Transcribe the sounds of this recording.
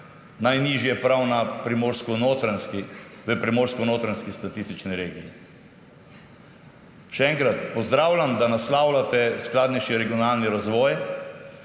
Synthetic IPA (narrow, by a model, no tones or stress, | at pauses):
najniʒjɛpɾawnapɾimoːɾskɔnoːt̪ɾanskiʋəpɾimoːɾskɔnoːt̪ɾanskist̪at̪ist̪it͡ʃniɾeːɡiji | ʃɛɛŋkɾat̪pɔzd̪ɾaːwlʲamd̪anaslaːwlat̪ɛsklaːd̪nɛjʃiɾɛɡiɔnalniɾazʋɔːj